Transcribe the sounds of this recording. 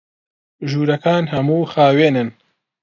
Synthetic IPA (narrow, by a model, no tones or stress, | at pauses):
ʒuːɾɐkʰaːnhɐmuːxaːweːnɨn